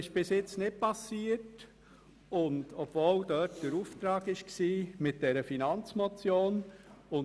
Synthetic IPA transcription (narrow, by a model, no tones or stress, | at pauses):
ɪʃb̥ɪsɪt͡snɪt̚pɑsiːət | ʊndɔb̥voːldœtd̥əɾuːft̪ɾɑːɡɪʃksiːmɪt̚d̥ɛɾəfinɑnt͡smot͡sjoːnʊn